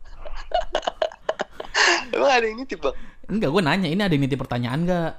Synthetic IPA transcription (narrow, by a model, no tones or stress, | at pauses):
maŋadainit̪ip̚baŋɡaɡuanaɲainiadaiŋnit̪̬ɪpərt̪aɲaanɡa